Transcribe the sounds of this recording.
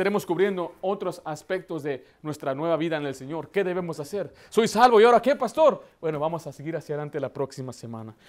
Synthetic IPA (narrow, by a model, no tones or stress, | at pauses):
t̪aɾemo̞skuβɾje̞nd̪o̞ot̪ɾosaspe̞k̚t̪o̞zðe̞ | nwe̞st̪ɾanwe̞βaβiðaene̞lse̞ɲo̞ɾke̞ðe̞β̞e̞mo̞sase̞ɾ | so̞jsalβojaoɾakepast̪o̞ɾbwe̞no̞βamosaseɣiɾasjaðelant̪elapɾo̞ksimase̞mã̰na